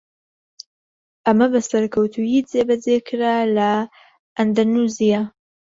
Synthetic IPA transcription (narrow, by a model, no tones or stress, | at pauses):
ʔɐmɐbɐsɐɾkʰɐwt̪ʰujid͡zebɐd͡zekʰɾalɐ | ɐnd̪anuzija